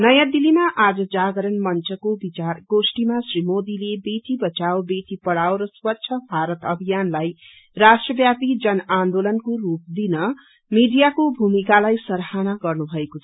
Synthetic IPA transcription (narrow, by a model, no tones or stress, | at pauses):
nʌjãd̪ilimaʔad͡zʌd͡zaɡʌɾʌnmʌnt͡sʌkobit͡sarɡosʈimasrimod̪ilebeʈibʌt͡sawbeʈipʌɽawɾʌswʌtːsʰʌbʱaɾʌt̪ʌbʱijanlaj | rasʈrʌbjapid͡zʌnand̪olʌnkorup̚d̪inʌ | miɖijakobʱumikalajsʌɾhanaɡʌrnubʱʌekot͡sʰʌ